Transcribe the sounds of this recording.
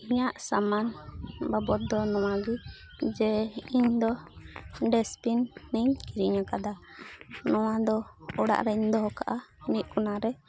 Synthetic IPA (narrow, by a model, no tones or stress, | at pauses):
iɲaʔsamanbabɔt̪̚d̪ɔnɔw̃aɡi | d͡ʒɛiɲd̪ɔ | ɖɛspinːiɲkiɾiɲakad̪a | nɔwad̪ɔɔɽa̰ʔɾɛiɲd̪ɔɦɔkaʔaniʔ̚kɔnaɾɛ